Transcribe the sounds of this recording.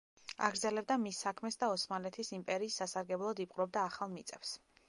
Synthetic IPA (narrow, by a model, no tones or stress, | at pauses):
a̰ɡɾd̪zɛlɛb̚d̪amisːakʰmɛsd̪aɔsmalɛt̪ʰisimpʼɛɾiːsːasaɾɡɛblˠɔd̪ipʼqʼɾɔb̚d̪aːχalˠmit̪sʼɛfs